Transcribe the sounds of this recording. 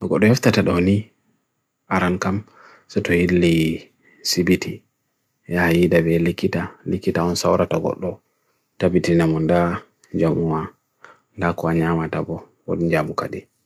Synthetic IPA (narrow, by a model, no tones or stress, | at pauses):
ɡɔɗːɔjaftataɗɔni | aɾankam | sɛtɔhilːi | sibiti | jahajidabɛlikːitalikːitaɔnsawɾataɡɔ̰ɗːɔ | tabitinamɔnda | d͡ʒamuwa | ndakɔaɲamatabɔ | ɔ̰d͡ʒamuka̰ɗi